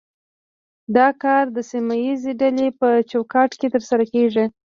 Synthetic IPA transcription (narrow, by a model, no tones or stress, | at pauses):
d̪ɑkɑɾd̪əsimajizeɖalepət͡ʃokɑʈket̪əɾsaɾakeʐi